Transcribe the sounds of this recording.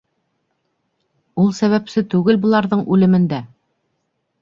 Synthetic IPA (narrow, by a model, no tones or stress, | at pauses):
ulˠsæβæpsɘt̪ʉɡɘlbŏlˠɑɾðɤɴʉlɘ̆mɘ̆nd̪æ